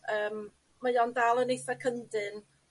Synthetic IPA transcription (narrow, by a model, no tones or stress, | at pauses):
əːm | majɔndalˠənejθakʰəndɨn